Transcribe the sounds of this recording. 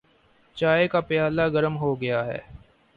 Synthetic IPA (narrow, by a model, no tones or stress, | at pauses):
t͡ʃaːekapɪjaːlaɡɐɾəmɦoɡɐjaɦɛ̰ː